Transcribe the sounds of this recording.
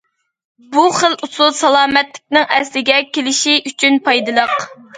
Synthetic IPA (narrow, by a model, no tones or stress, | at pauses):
buχəlʔusulˠsɑlˠɑːmɛt̪lɪk̚ʲnɪŋɛslɪɡʲɛkʲelɪʃiʔyt͡ʃʰynpɑjd̪ɨlˠəq